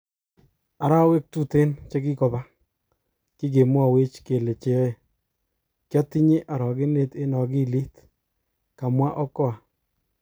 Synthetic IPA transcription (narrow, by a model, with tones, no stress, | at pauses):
a˨ɾa˦we˦k̚tu˦te˦nt͡ʃe˦ki˦kɔ˨ba˦ | ki˦k̬e˨mwɔ˨we˦t͡ʃke˨le˨t͡ʃe˨˦e˨ | kjɔ˦ti˦ɲe˦ʔa˨ɾɔ˨ɡɪ˦ne˦te˦nɔ˨ɡi˦li˦t | ka˨mwa˦ʔɔ˦kɔ˦a˨